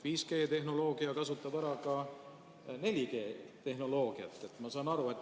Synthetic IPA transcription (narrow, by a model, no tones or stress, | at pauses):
viːske̞ːt̪e̞ɦno̞lo̞ːɡ̥iɑkɑsut̪ːˑɑb̥æɾɑkɑ | ne̞lʲike̞ːt̪e̞ɦno̞lo̞ːɡ̥iɑ̰t̪ˑːe̞t̪ːˑmɑsɑːnɑɾue̞t̪ː